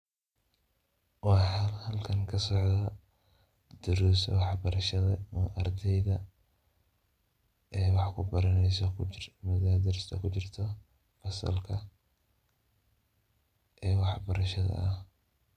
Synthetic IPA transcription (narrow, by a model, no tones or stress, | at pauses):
wɑħɑhɐlkʰɐŋkʰɐsɔʕdɐ | d̪̥ʊɾuːsɐ̰wɑħbɐɾɐʃɐðɐʔɐrd̪ɛjðɐ | ʔɛːwɑħkʰʊbɐɾɐnɛjsɐkʰmʊðɐd̪ɐrst̪ʰɐkʰʊt͡ʃɪrt̪ʰɔ | ɐsɐ̰lkʰɐ | ʔɛːwɑħbɐɾɐʃɐðɐ̰ʔh